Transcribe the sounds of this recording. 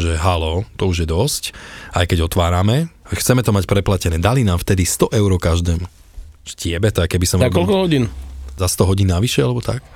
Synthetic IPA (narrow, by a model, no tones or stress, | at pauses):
ʒɛɦalɔt̪ɔuʒjɛd̪ɔscajkɛɟɔt̪ʋaːɾamɛxt͡sɛmɛt̪ɔmacpɾɛplacɛnɛːd̪alinaːmft̪ɛd̪ist̪ɔʔɛʊɾɔkaʒd̪ɛːm | ʃcɪɛbɛt̪ɛakɛbisɔmakɔlkɔɦɔɟiːnzast̪ɔɦɔɟiːnːaʋiʃɛalɛbɔt̪a̰k̚